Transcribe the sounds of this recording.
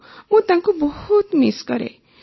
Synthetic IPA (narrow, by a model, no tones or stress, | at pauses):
mũt̪ãŋkobɔhut̪miskʌɾḛ